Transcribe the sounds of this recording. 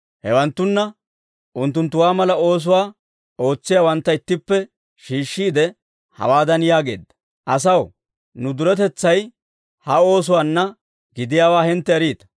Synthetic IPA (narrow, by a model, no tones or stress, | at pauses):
hɛwɐnt̪ːʊnːɐ | ʔʊnt̪ːʊnt̪ːʊwaːmɐlɐo̞ːs̬ʊwaː | o̞ːt͡sːɪjaːwɐnt̪ːɐɪt̪ːɪpːɛ | ʃiːʃːiːd̪ɛ | hɐ̰waːd̪ɐnjaːɡe̞̰ːd̪ːɐ̥ | ʔɐs̬ɐw | nʊd̪ʊɾɛt̪ɛt͡sːɐj | hɐo̞ːs̬ʊwaːnːɐ | ɡɪd̪ɪjaːwaːhɛnt̪ːɛːɾiːt̪ɐ̥